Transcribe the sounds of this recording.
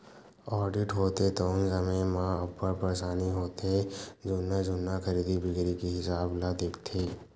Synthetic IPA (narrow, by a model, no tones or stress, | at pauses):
ɔːɾɖɪʈɦoːt̪et̪oːnsəmẽmãəpːəɾpɐɾesaːniɦoːt̪ed͡ʒʊnad͡ʒʊnːakɐɾiːd̪ibʱɪɡɾikiɦɪsaːblad̪eːkʰt̪ʰeː